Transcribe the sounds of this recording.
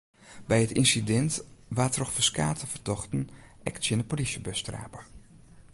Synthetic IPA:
bɛjətinsidɛntʋaːtrɔxfəskaːtʰəvərtɔχtn̩ʔɛ̰ksjənəpolisjəbəstra̰ːpə

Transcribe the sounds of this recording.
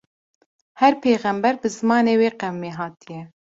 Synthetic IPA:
hɛɾpʰeːɣɛmbɛɾbɨzɨmɑːneːweːqɛwmeːɦɑːt̪ijɛ

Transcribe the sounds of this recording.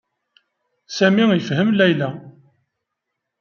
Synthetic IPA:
sæmijfhəmlæjlæ

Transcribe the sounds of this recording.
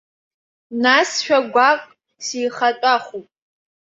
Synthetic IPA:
nasʃᶣʷaɡʷaːkʷʼ | siːχɐt͡ʃʷʼaːχʷupʼ

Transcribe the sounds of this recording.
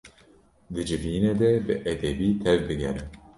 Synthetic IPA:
d̪ɨd͡ʒɨviːneːd̪ɛbɨʔɛd̪ɛbiːt̪ʰɛvbɨɡɛ̰ɾɨ

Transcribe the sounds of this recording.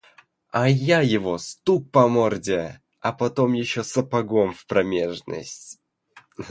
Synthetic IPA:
ajajɪvost̪uk̚pɐmordʲe | ɐpɐt̪omjɪɕːosəpɐɡomfpɾɐmʲeʐnə̰sʲtʲ

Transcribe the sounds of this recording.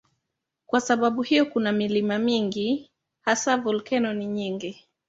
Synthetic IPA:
kwasaɓaɓuhijɔkunamilimamiŋɡi | hasavɔlkɛnɔniɲiŋɡi

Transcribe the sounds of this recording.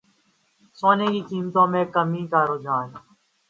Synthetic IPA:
soːneːkiːkiːmt̪õːmẽːkəmĩːkaːɾoːd͡ʒaːn

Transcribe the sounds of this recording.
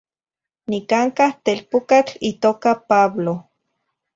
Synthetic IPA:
nikaŋkaht̪elpukat͡ɬit̪oːkapaβlo

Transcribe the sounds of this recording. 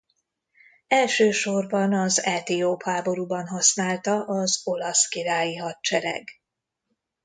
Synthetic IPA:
ɛlʃøːʃo̞rbɒnɒzɛt̪eːoːphaːbo̞ɾuːbɒnɦɒsnaːlt̪ɒʔɒzo̞lɒskiɾaːjiɦɒtt͡ʃɛɾɛ̰ɡ

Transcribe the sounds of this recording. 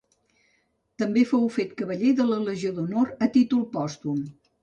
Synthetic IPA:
t̪əmbefowfet̪kəβəʎeðələləʒioðunoɾət̪it̪ulˠpɔst̪um

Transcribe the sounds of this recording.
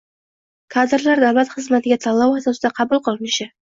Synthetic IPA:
kʰad̪ɪɾlaɾd̪awlat̪χɨzmat̪ʰɪɡʲat̪ʰalˠːawazasɪd̪aqʰɑbulˠqʰɨlˠɪnɪʃɪ

